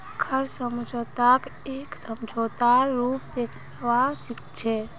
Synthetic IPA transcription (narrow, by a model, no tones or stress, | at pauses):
kʰəɾsəmd͡ʒʱot̪akeksəmd͡ʒʱot̪aɾːupd̪ekʰnəʋasikt͡ʃʰɛ